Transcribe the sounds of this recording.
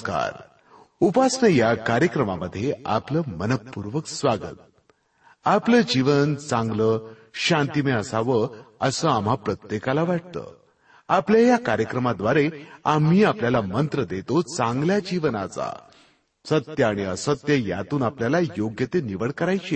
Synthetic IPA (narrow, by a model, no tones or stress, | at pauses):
ka̰ɾ | upasɳəjakaɾjəkɾəmaməd̪ʱːjea̰pləmənəpːuɾʋəksʋaɡə̰t̪̚ | apləd͡ʑiʋənt͡sãŋɡləɕãnt̪imeəsaʋəəsəam̤ɦapɾət̪jekalaʋaʈ̚t̪ə̰ː | apljajakaɾjəkɾəmad̪ʋaɾeam̤iːapljalamənt̪ɾəd̪et̪ot͡sãŋɡljad͡ʑiʋnat͡sa̰ | sət̪jəaɽ̃iəsət̪jəja̰t̪uːnapljalajoɡjət̪eniʋəɭkəɾajt͡ɕe